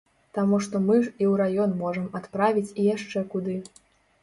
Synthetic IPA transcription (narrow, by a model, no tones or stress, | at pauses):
t̪amuʂt̪ɔmɨiwɾajɔnmɔʐɐmat̪pɾavʲit͡sʲijaʂt͡ʂɛkud̪ɨ